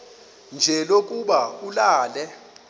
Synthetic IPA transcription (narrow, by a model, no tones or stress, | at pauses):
nd͡ʒʱɛlokʼuɓaulaːlɛ